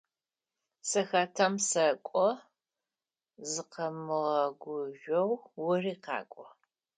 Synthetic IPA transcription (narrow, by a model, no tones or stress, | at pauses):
sɐxɐtʰɐmsɐkʷʼɔ | zɨqɐmɨʁɐɡʷʊʒʷɔwːʊriːqɑ̰ːkʷʼɔ